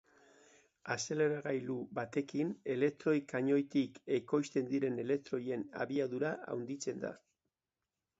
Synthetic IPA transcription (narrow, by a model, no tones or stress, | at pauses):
ase̞le̞ɾaɣajlubat̪e̞kine̞le̞k̚t̪ɾo̞jkaɲo̞jt̪ike̞ko̞jst̪e̞nd̪iɾe̞ne̞le̞k̚t̪ɾo̞je̞na̰βiaðuɾaʔa̰wnd̪it͡se̞nd̪a̰